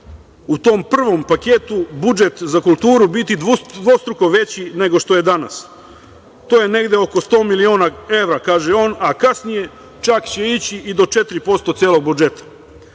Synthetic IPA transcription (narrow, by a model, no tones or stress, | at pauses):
ut̪o̞mpr̩ʋompaket̪ubud͡ʒe̞t̪zakulˠt̪uːɾubit̪id̪ʋost̪ɾuko̞ʋe̞t͡ɕine̞ɡo̞ʃt̪o̞je̞d̪ana̰s | t̪oːjene̞ɡd̪eo̞ko̞st̪o̞ːmilioːnae̞ʋɾakaːʒeo̞ːnakasnije̞ | t͡ʃakt͡ɕeit͡ɕiʔid̪o̞t͡ʃe̞t̪ɾipo̞st̪o̞t̪sjeːlˠo̞ɡ̚bud͡ʒe̞t̪ḁ